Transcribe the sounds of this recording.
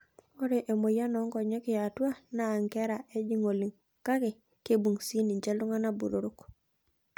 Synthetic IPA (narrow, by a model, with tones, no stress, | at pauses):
o˦ɾe˨ʔe˨mo˨ja˦nɔ˨˦ŋkɔ˨ɲe˦kɪ˨ja˨tu˦a˦naː˨ŋkɛ˦ɾa˨ʔe˦d͡ʒi˦ŋo˨li˨ŋ | ka˦ke˨ | ke˦bu˨ŋsi˦ni˨ɲt͡ʃe˦lu˦ŋa˦na˦bu˨ɾu˨ɾu˦k